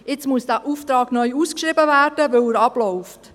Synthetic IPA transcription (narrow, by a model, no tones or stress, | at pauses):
ɪt͡smuəsd̥æːʔuːft̪ɾɑːɡnœʏuːskʃɾibəvæːrd̥əʋɵwəɾɑblɔʊft